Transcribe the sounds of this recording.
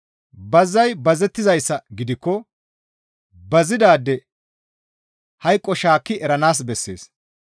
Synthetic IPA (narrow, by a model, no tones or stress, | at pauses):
bɐzːɐjbɐzɛt̪ːɪzɐjsːɐɡɪd̪ɪkːɔ | bɐzɪd̪aːd̪ːɛ | hɐjkʼːɔʃaːkːɪʔɛɾɐnaːs̬bɛsːe̞ːs